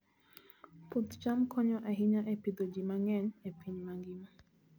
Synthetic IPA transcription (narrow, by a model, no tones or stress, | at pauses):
put̪t͡ʃamkʰɔɲɔʔaɦiɲaʔɛpid̪ɔd͡ʒimaŋɛɲɛpʰiɲmaŋɡima